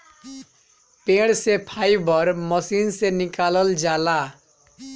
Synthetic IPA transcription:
peɽsepʰajbʱʌrmʌsinsenikalʌld͡zala

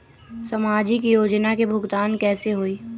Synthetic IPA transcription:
sɐmaːd͡ʒikijoːd͡ʒnakebʱʊɡt̪aːnkɛːseɦoːiː

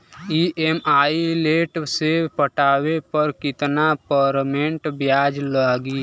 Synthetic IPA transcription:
iʔemaːileːʈsepəʈaːwepəɾkɪt̪napəɾmẽɳʈbjaːd͡ʒlaːɡiː

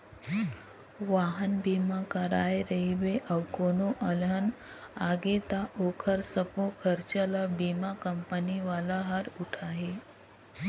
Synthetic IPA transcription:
ʋaɦənbimakəɾajɾəibeʔəwkonoʔəlɦən | aɡet̪aʔokʰəɾsəpokʰəɾt͡ɕəlabimakəmpəniʋalaɦaɾuʈʰaɦe

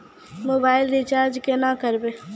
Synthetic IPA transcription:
moːbaːɪlɾit͡ʃaːɾd͡ʒkenakəɾbe

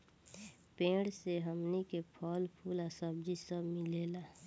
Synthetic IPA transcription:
pẽːɽseɦəmnikepʰɔːlpʰuːlasəb̚d͡ʒisəbmɪleːlaː

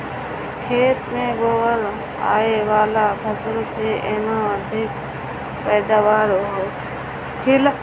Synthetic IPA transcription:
kʰeːt̪mẽːboːəl | a̰ːeʋaːlapʰəsəlseʔeːmãːəd̪ʱɪk | pɛːd̪aːʋaːɾoɦo | kʰɪl

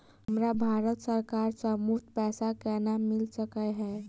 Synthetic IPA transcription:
ɦəmɾabʱaɾət̪səɾkaɾsəmut̪pɛsakɛnamilsəkəɦɛ

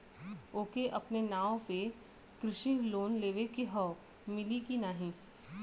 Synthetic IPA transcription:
oːkeʔɐpnenaːõpe | kɾɪʃiloːnleːʋekiɦɔː | mɪlikinaːɦĩː

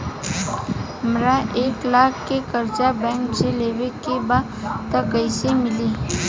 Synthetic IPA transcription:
ɦəmɾaʔeːklaːkʰːekəɾt͡ʃabɛ̃ːŋkseleːwekebaːd̪t̪əkəɪsemɪliː

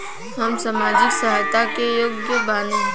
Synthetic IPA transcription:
ɦɐmsɐmaːd͡ʒɪksɐɦaːjt̪akejoɡ̚d̪jəbaːnẽ

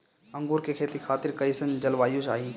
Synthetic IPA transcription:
ɐ̃ŋɡuːɾkekʰeːt̪ikʰaːt̪ɪɾkɐisə̃nd͡ʒɐlʋaːjot͡ʃaːɦiː

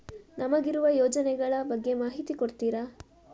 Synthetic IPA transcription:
nɐmɐɡiɾuʋɐjɔːd͡ʒɐnɛɡɐɭɐbɐɡːe̞maːɦit̪ikoɽt̪iːɾɐ

